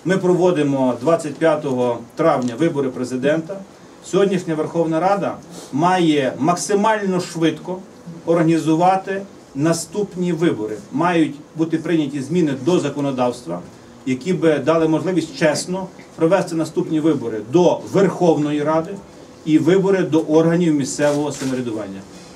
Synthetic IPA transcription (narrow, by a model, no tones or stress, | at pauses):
mɪpɾɔʋɔd̪ɪmɔd̪ʋɑt͡sʲːɐt̚ʲpʲjat̪ɔɦɔt̪ɾɑwnʲɐʋɪbɔɾɪpɾezɪd̪ɛnt̪ɐ | sʲɔɦɔdʲnʲiʃnʲɐʋerxɔwnɐɾɑd̪ɐmɑjɛmɐksɪmɑlʲnɔʃʋɪd̪kɔ | ɔrɦɐnʲizʊʋɑt̪ɪ | nɐst̪upnʲiʋɪbɔɾɪ̰mɑjʊtʲbut̪ɪpɾɪnʲɐtʲizmʲinɪd̪ɔzɐkɔnɔd̪ɑwst̪ʋɐ̰ | jɐkʲibɪd̪ɑlˠɪmɔʒlˠɪʋʲisʲtʲt͡ʃɛsnɔ | pɾɔʋɛst̪ɪnɐst̪upnʲiʋɪbɔɾɪd̪ɔʋerxɔwnɔjiɾɑd̪ɪ | iʋɪbɔɾɪd̪ɔʔɔrɦɐnʲiwmʲist̪sɛʋɔɦɔsɐmeɾʲed̪ʊʋɑ̰nʲːɐ